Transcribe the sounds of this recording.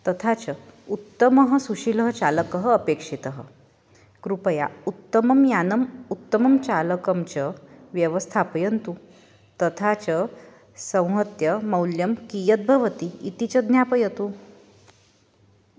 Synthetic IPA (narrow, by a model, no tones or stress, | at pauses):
t̪ət̪ʰat͡ɕəut̪ːəməɦəsuɕiləɦət͡ɕaləkəɦəːpekʂit̪əɦə | kɾupəja̰ut̪ːəməmjanəmut̪ːəməmt͡ɕaləkəmt͡ɕəʋjəʋəst̪ʰapəjənt̪u | t̪ət̪ʰat͡ɕə | sə̃w̃ɦət̪jəməwljəmkijət̪̚bʱəʋət̪iit̪it͡ɕəd̪njapəjət̪u